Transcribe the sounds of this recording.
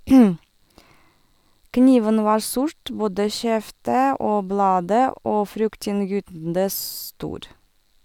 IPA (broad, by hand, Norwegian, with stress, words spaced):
ˈkniːʋən ˈʋɑːɾ ˈsʊɾt ˈboːdə ˈʃɛftə ˈoː ˈblɑːdə ˈoː ˈfɾʏktɪnŋˌjyːtndə ˈstuːɾ